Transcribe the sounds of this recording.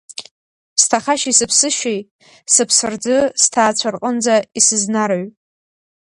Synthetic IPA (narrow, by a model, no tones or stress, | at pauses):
stʰaχaʃisɨpʰsɨʃej | sɨpʰsɨrd͡zɨstʰaːt͡ɕʷʰarqʼənd͡zaisɨznarʕʷ